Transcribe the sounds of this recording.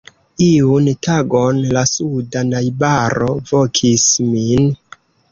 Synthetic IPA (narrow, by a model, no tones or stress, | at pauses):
iuntʰaɡo̞nlasudanajbaɾo̞vo̞kʰismin